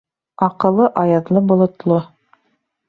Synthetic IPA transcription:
ɑqɤ̆lˠːɤʔɑjɑðlˠɤbŏlˠŏt̪lˠo

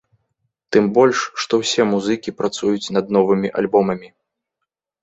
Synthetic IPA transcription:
t̪ɨmbɔlʲʂːt̪ɔwsʲɛmuzɨkʲipɾat̪sujut͡sʲnɐd̪nɔvɨmʲiʔa̰lʲbɔmɐmʲi

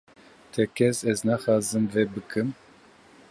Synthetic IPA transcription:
t̪ʰɛkʰɛsɛznaxɑːzɨmvɛbɨkʰɨm

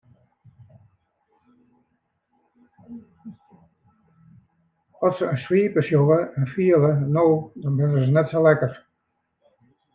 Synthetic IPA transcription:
ɔtsəswiːpəsjovəɛnfiələnowdɔnbrɪnəsnɛtsolɛkər

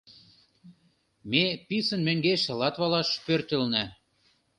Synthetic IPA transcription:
mepisənmeŋɡeʃĕlɑt̪βɑlɑʃpørt̪ə̆lnæ

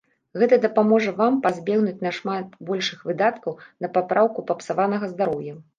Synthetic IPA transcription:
ɣɛt̪ɐd̪ɐpamɔʐɐvampazʲbʲɛɣnut͡sʲnɐʂmat̪̚bɔlʲʂɨxvɨd̪at̪kɐwnɐpapɾʔawkupɐpsavanɐɣɐzd̪aɾɔwjɐ

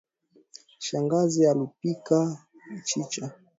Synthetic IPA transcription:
ʃaŋɡazialupika | t͡ʃit͡ʃa

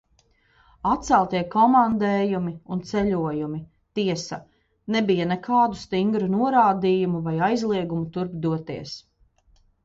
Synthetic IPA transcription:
at̪̚sælˠt̪iɛkɔmand̪ɛːjumiunt̪sɛʎuɔjumi | t̪iɛsɐ̰ | nɛbijanɛkʰaːd̪ust̪iŋɡɾunuɔɾaːd̪iːjumuvajajzlˠiɛɡumut̪uɾbd̪uɔt̪iɛs

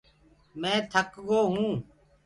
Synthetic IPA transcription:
mɛ̃ːt̪ʰəkɠoːɦũː

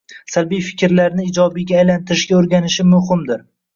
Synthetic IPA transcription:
salbijfɪ̥kʲʰɪɾlaɾnɪːd͡ʒɒbɪɡʲaːjlant̪ʰɪɾɪʃɡʲaoɾɡʲanɪʃɪmʊhɪmd̪ɪɾ

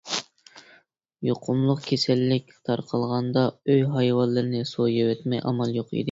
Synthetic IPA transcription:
joqʰʊmlˠʊqkʲʰesɛlːɪkʲt̪ʰɑɾqʰɑlˠʁɑnd̪ɑøjɦɑjwɑlˠːɨɾnɪsojewɛt̪mɛjʔɑ̰mɑlˠjoqḭd̪ɪ

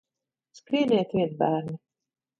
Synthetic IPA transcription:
spɾiɛd̪ɛɛt̪vʲiɛbæːɾni

